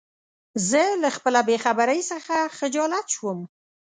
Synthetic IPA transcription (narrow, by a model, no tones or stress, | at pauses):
zəlaxpəlabexabaɾəjsəxaxɪd͡ʒɑlat̪ʃwəm